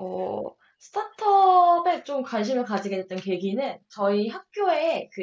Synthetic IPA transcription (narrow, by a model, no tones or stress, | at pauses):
ʌ | sʰɯ̥tʰatʰʌbe̞t͡ɕomkwanɕ̬ʰimɯɭkad͡ʑiɡedet͈̚ʌnke̞ɡinɯnt͡ɕʌiɦak̚k͈joekɯ